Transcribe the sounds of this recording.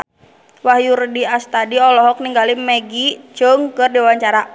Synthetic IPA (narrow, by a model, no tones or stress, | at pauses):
wahjurdiast̪adiɔlɔɦɔk̚niŋɡalimɛɡit͡ʃəŋkɨrdiwaɲt͡ʃaɾa